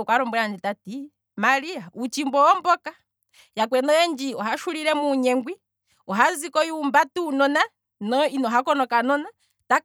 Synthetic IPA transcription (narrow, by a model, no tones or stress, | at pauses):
kwaɾɔmbɔand͡ʒitati | maɾiaut͡ʃimbɔɔmbɔka | jak̬wɛnɔjɛnd͡ʒiɔɦaʃuɾiɾɛmuɲɛŋɡwi | ɔɦazikɔjuːmbatuːnɔna | nɔinɔɦakɔnɔkanɔna | ta